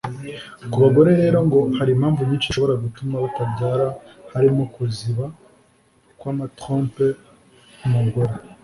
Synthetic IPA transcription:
kuβaɡo̞ɾe̞ɾe̞ːɾo̞ŋɡo̞haɾimhaːɱvuɲiːnt͡ʃiʃo̞βo̞ɾaɡutumaβatabɟaːɾahaɾimo̞kuziβa | kwaːmatɾoːmpe | kumuɡoɾe

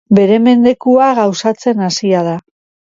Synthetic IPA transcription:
be̞ɾe̞me̞nd̪e̞kuaɣawsat͡se̞nasiað̞a

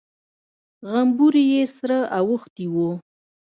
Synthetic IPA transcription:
ɣambuɾijesɾaʔawəxt̪iwo

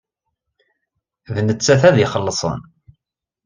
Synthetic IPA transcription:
ðnət͡sːæθæðiχəlːəsˤə̰n

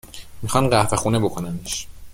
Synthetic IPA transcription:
mixɒnɢæhfe̞xuːnebokʰo̞næniʃ

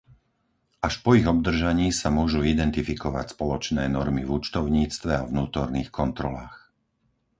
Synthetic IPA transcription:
ʔaʃpɔiɣɔb̚d̪r̩ʒaɲiːsamʊɔʒuːid̪ɛnt̪ifikɔʋa̰cspɔlɔt͡ʃnɛːnɔɾmivut͡ʃt̪ɔʊɲiːt͡st̪ʋɛavnuːt̪ɔɾniːxkɔnt̪ɾɔlaːx

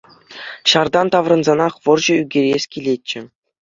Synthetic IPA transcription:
ɕɑrd̪ɑnt̪ɑʋrɤ̆nzɑnɑχʋɤ̆rʑɤ̆yɡʲeɾʲesʲkʲilʲet͡ɕːɘ̆

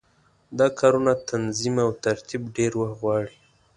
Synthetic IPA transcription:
d̪ɑkʰɑɾunat̪ʰanzimawt̪aɾt̪ibɖeɾwaxɣwɑɽi

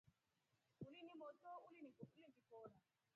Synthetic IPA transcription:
ulinimɔtɔulinikɔulindikɔːna

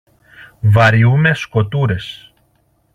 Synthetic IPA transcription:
vɐɾiume̞sko̞t̪uɾe̞s

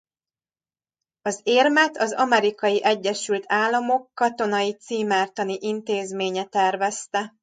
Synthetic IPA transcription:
ɒzeːrmɛt̪ʰɒzɒ̰mɛɾikɒjiʔɛɟːɛʃylt̪ʰaːlːɒmo̞kːɒt̪o̞nɒjit̪siːmaːrt̪ɒniʔint̪eːzmeːɲɛt̪ɛrvɛst̪ɛ

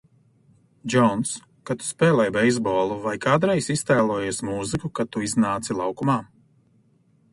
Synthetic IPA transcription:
d͡ʒɔns | kat̪u̥spɛːlˠɛjbɛjzbɔːlˠuvajkaːd̪ɾɛjsist̪ɛːlˠuɔjeɛsmuːzikukat̪uiznaːt̪silˠawkumaː

